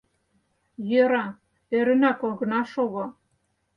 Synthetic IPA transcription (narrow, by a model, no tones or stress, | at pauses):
jøɾɑ | eɾɘ̆nækolɣɤ̆nɑʃoɣŏ